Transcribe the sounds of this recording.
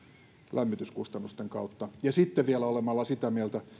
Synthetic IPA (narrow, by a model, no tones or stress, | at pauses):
lʔæmːit̪yskust̪ɑnːust̪eŋkɑ̰ut̪ːɑjɑsit̪ːeʋielæolemɑlːɑsit̪æmiælt̪æ